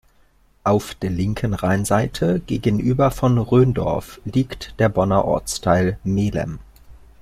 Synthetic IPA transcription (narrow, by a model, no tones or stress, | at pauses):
ʔaʊfd̥eːɐlɪŋkʰən̩ʁaɪnzaɪtʰəɡ̥eːɡənʔyːbɐfɔnʁøːndɔ̰ɐfliːktd̥eːɐbɔnɐʔɔ̰ɐt͡stʰaɪlmeːlə̰m